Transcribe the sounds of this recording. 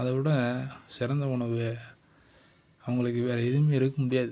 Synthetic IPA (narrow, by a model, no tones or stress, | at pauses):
ɐðɐʋɪɽɐ̃sɪɾɐnd̪ɐʊɳɐʋɯ | ɐʋɐŋɡɐɭɯkːɯʋeːɾɐɪðɯmeɪɾɯkːɐmʊɽɪjaːðɯ